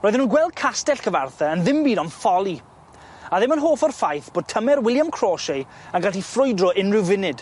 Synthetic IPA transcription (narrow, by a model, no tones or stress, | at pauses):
rɔːjðənuːnɡwɛlˠd̚kʰastɛɬkʰəvarθɛənðɪmbidɔnfɔlˠi | aðɪmənɦoːfɔrfajθb̥oːd̚tʰəmɛrwɪlˠjamkʰr̥ɔːʃe | anɡaɬifrʊjdrɔʔɪnrɪwvɪnɨd̥